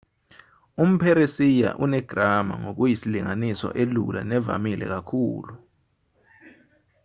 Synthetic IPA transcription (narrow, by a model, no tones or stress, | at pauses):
um̩pʰɛɾesija̰ʔunɛɡ̥ʱrama̰ŋok̬ujisiliŋanisɔ̰ʔelṵlʔa̰nɛva̰milɛ̰k̬akʰuːlu